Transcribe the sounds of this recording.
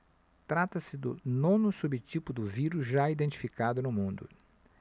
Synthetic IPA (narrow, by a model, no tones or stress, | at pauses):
t̪ɾat̪ɐsɪd̪ʊ̰nõnʊsubɪt͡ʃipʊd̪ʊviɾʊzʒaid̪ẽnt͡ʃi̥fikad̪ʊnʊmũnd̪ʊ̰